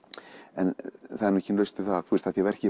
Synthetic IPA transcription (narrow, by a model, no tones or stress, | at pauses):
ɛnθaðɛɾnmɛçcɪnlœɥst̪ʏθaðaðθvuɪst̪ʰaðjɛvɛr̥cɪ